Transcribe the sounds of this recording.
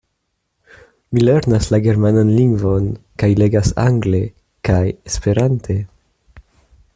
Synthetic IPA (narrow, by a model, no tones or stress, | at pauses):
mile̞ɾnaslaɡe̞ɾmananliŋɡvo̞nkajle̞ɡasa̰ŋɡle̞ | kajespe̞ɾantʰe̞